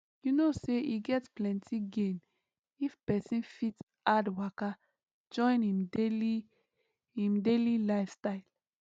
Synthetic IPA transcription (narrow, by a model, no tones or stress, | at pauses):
junoseʔiɡɛtplɛ̃ntʰiɡẽn | ifpɛsĩnfit | adwaka | d͡ʒɔ̃ɪ̃nĩmdeli | ĩmdelilaɪfstaɪl